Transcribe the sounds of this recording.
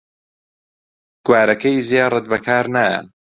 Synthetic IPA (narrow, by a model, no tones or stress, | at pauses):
ɡ̥waːɾɐkɐjzijaːrˤɨt̪̚bɐkʰaːɾnaɐ̰